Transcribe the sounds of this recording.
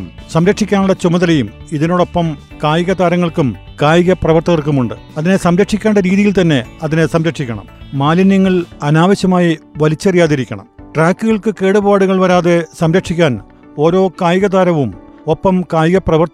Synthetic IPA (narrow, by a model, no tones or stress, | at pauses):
sɐmɾɐkʂikʲːaːnuɭːɐt͡ɕumɐðɐlɐjumiðino̞ːɽopːɐm | kaːjiɣɐðaːɾɐŋːɐɭkumkaːjiɣɐprɐʋɐrt̪ɐɣɐrk̬ːumuɳɖɨ | ɐðine̞sɐmɾɐkʂikʲːeːɳɖɐɾiːðijilt̪ɐnːe̞ɐðinesɐmɾɐkʂikʲːɐɳɐ̰mːaːlinjɐŋːɐɭɐnaːʋɐɕjɐmaːjiʋɐlit͡ɕːɐrijaːðiɾikʲːɐɳɐ̰mʈraːkːɨɣɐɭkɨke̞ːɽubaːɽuɣɐɭʋɐɾaːðe̞sɐmɾɐkʂikʲːaːn | o̞ːɾo̞ːkaːjɣɐd̪aːɾɐʋumo̞pːɐmkaːjɣɐprɐʋɐrt̪